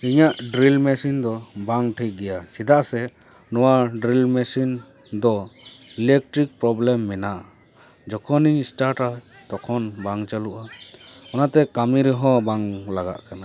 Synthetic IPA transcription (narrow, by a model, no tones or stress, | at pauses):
iɲaʔɖɾilmɛsind̪ɔbaŋʈʰiɡɛjasid̪aʔsɛ | nɔwaɖɾilmɛsind̪ɔilɛk̚ʈɾik̚pɾɔblɛmːɛnaʔa | d͡ʒɔkʰɔniɲsʈaɾʈa | t̪ɔkʰɔnbaŋt͡ʃaluʔaɔnat̪ɛkamiɾɛɦɔ̃baŋlaɡa̰ʔkana